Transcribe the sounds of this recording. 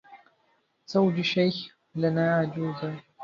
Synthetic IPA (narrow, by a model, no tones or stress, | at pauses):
sawd͡ʒiʃajx | lɐnaːad͡ʒuːza